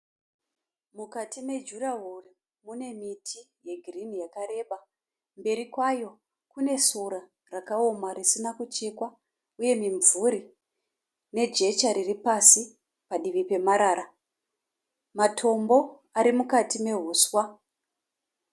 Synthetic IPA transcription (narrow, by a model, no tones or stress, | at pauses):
mukatime̞d͡ʒuraɦuri | mune̞mitʰi | je̞ɡʱirinijakare̞ːɓa | mbe̞ɾikwajo̞ | kune̞suɾa | rakaomarisinakut͡ʃe̞kwa | uje̞miɱvuɾi | ne̞d͡ʒe̞t͡ʃaɾiripasi | paɗiʋipe̞maɾaːɾa | matʰo̞mbo̞ | aɾimukatime̞ɦuːswa